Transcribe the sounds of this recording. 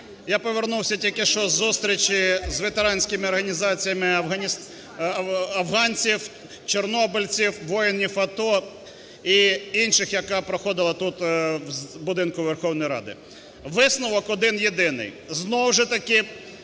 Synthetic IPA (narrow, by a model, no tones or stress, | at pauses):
japɔʋʲernuwsʲɐtʲilʲkɪʃt͡ʃɔzːust̪ɾʲit͡ʃʲɪzʋet̪eɾɑnʲsʲkɪmɪɔrɦɐnʲizɑt͡sʲijɐmɪɐ | ɐwɦɑnʲt͡sʲiw | t͡ʃernɔbɪlʲt͡sʲiwʋɔjɪnʲːifɐt̪ɔ | iinʃɪxjɐkɑpɾɔxɔd̪ɪlˠɐt̪ut̪ | bʊd̪ɪnkʊʋerxɔwnɔjɾɑ̰d̪ɪ̰ | ʋɪsnʊʋɔkɔd̪ɪnjed̪ɪnɪ̰j | znɔwʒɛt̪ɐkɪ